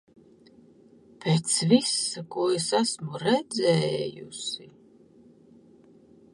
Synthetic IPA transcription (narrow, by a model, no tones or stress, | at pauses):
pʰɛt̪svisakuɔɛsasmuɾɛd̪zɛjṵsi